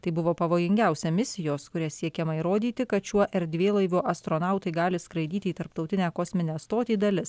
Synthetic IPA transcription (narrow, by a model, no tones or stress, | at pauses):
t̪ɐɪbʊʋoːpɐʋoːjɪŋʲɡʲæʊsʲɛmʲɪsʲɪjoːskʊɾʲæsʲiɛkʲɛmɐiɾoːd̪ʲiːt̪ʲɪkɐt̪t͡ʃʲuɔʔɛɾʲd̪ʲʋʲeːlˠɐɪʋʲuːʔɐst̪ɾoːnɑˑʊt̪ɐɪɡɑːlʲɪskɾɐɪd̪ʲiːt̪ʲɪiːt̪ɐɾp̚t̪ɒʊt̪ʲɪnʲæːkoːsʲmʲɪnʲæːst̪oːt̪ʲiːd̪ɐlʲɪs